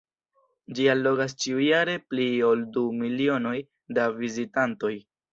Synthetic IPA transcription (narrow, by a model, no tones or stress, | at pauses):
d͡ʒialːo̞ɡas̬t͡ʃiujaɾe̞plio̞ldumilio̞no̞j | davizitanto̞j